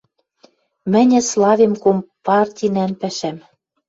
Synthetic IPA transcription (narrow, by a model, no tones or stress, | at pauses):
mɘ̆nʲɘ̆slɑvemkompɑrtʲinænpæʃæm